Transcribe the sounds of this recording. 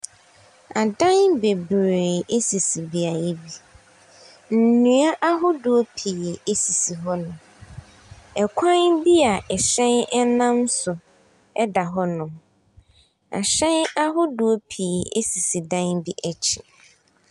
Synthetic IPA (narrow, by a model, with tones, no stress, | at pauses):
a˨dã˦nbe˨bɾe˨e˦si˨si˨bi˦a˨je˦bi˦ | n̩˨nũ˨˦a˦ʔa˦ɦʊ˦du˨o˦pʰi˨e˦si˨si˨ɦɔ˦nʊ̃˨ | ɛ˨kʷʰã˦nbi˦a˨ʔɛ˨ɕɛ̃˦nɛ˦nã˦n˦sʊ˨ | ɛ˦da˨ɦɔ˦nʊ̃˨ | a̰˨ɕɛ̃˦na˦ɦʊ˦du˨o˦pʰi˨e˦si˨si˨dã˦nbi˦ʔɛ˦t͡ɕʰɪ˨